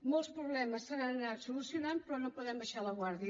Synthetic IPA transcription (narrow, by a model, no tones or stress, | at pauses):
molˠspɾuβlɛməsːəɾanənat̪sulusiunanpɾɔnopuðɛmbəʃaləɣwaɾði